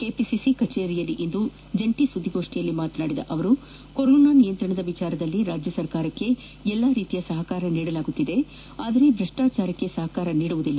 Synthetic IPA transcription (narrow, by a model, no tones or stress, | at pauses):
keːpisisikɐt͡ʃeːɾijɐlːiʔind̪u | d͡ʒɐɳʈisud̪ʱːiɡoːʂʈijɐlːimaːt̪naːɽid̪ɐ̰ʔɐʋɐɾu | koɾoːnaːnijɐnt̪ɾɐɳɐd̪ɐʋit͡ʃaːɾɐd̪ɐlːiɾaːd͡ʒjɐsɐɾkaːɾɐkːe̞ | ɛlːaɾiːt̪ijɐsɐɦɐkaːɾɐniːɽɐlaːɡut̪ːid̪e̞ | aːd̪ɐɾe̞d̪ɾɐʂʈaːt͡ʃaːɾɐkːesɐɦɐkaːɾɐniːɽuʋud̪ilːɐ